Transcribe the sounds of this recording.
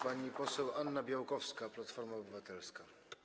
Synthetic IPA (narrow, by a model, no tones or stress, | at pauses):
paɲipɔsɛwʔanːabʲjawkɔfskaplat̪fɔɾmaɔbɘvat̪ɛlska